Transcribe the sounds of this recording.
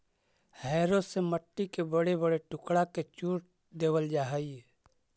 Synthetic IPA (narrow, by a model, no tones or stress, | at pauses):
hɛːɾoseməʈːikebəɽebəɽeʈʊkɽaket͡ʃuːʈ̚ | d̪eːwəld͡ʒaːɦaie